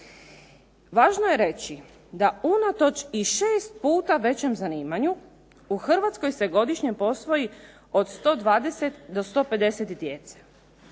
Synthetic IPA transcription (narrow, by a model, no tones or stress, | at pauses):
ʋaːʒnoje̞ɾe̞t͡ɕi | d̪aunat̪o̞t͡ʃiʃeːst̪̚puːt̪aʋe̞t͡ɕe̞mzaniːmaɲu | uxr̩ʋat̪sko̞jse̞ɡo̞d̪iʃɲepo̞sʋo̞ji | od̪st̪o̞ːd̪ʋaːd̪eset̪d̪o̞st̪o̞ːpe̞d̪e̞set̪id̪jet̪se̥